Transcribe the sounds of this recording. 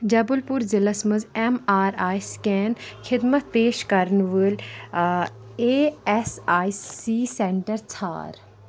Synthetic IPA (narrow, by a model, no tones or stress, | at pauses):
d͡ʒɐbulpʊɾzɪlɐsməzemaːɾaːjskɛːnkʰɪd̪mət̪peːʃkɐɾnʋəl | eːɛsaːjsːiːsẽɳʈəɾt͡sʰa̰ːɾ